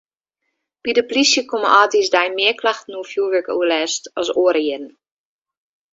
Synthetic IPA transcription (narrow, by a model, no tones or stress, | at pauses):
pidəplisjəkomə̰ʔɔːtisdajmɪəklaxtn̩uəfjuːʋəkṵəlɛːstɔsoəɾjɪdn̩